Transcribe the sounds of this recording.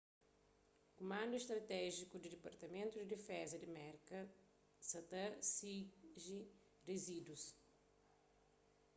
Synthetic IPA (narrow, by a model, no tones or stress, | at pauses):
kumãnd̪uest̪ɾɐt̪ɛʒikud̪ɪd̪ɪpɐɾt̪ɐmẽnt̪ud̪ɪd̪ifɛzɐd̪ɪmɛɾkɐ | sɐt̪ɐsiʒi | rezid̪us